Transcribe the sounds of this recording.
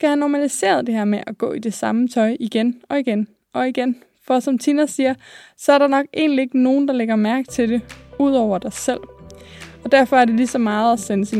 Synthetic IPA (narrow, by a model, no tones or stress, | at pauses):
sɡ̥æhænɒmælise̝̰ːɐð̞̩ˠd̥e̝ɦæɐmeʔæɡ̥ɔ̰̽ːid̥e̝sɑ̈mət͡sʰɒ̽ɪʔiɡ̥enɒ̽iɡ̥en | ʔɒ̽iɡ̥en | fɒ̽sɒ̽mt͡sʰinɐsiːɐsɒ̽æɐɾ̥ɑ̈nɒ̽ɡ̥e̝̰ːnlie̝ɡ̥əno̝ːn̩d̥ɑ̈leɡ̥ɐmæɐɡ̥t͡sʰe̝d̥e̝uð̰ˠɒʊ̰ɐd̥ɑ̈ɪsel̰ | ɒ̽d̥æɐ̰fɒ̽æɐde̝lisɒ̽mɑ̈ːð̞̩ˠæsenəsi